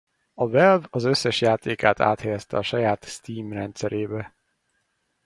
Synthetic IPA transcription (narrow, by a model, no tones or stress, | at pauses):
ɒvɛlvɒzø̞sːɛʃjaːt̪eːkaːt̪a̰ːt̪hɛjɛst̪ɛɒʃɒjaːt̪st̪iːmrɛnt̪sɛɾʔeːbɛ